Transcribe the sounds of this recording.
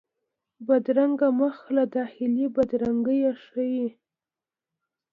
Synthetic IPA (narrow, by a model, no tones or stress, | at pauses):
bad̪ɾaŋɡaməxlad̪ɑxɪlibad̪ɾaŋɡəjaʂəwi